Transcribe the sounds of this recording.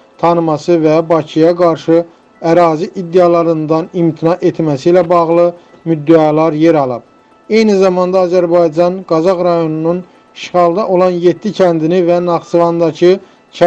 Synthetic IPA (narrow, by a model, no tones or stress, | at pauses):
t̪ʰɑnɯmɑsɯvæbɑcʰijɑɡɑɾʃɯ | æɾɑːziʔid̪ːeɑlˠɑɾɯnd̪ɑnimt̪ʰinɑʔe̞t̪ʰmæsiːlæbɑɣlˠɯ | myd̪ːæɑlˠɑɾjeɾɑlˠɯb̥̚ | e̞jnizɑmɑnd̪ɑːzæɾbɑjd͡ʒɑnɡɑzɑɣɾɑjo̞nunun | ʃʁɑlˠd̪ɑʔo̞lˠɑnje̞t̪ːicʰænd̪inivænɑχsɯvɑnd̪ɑcʰɯ | cʰ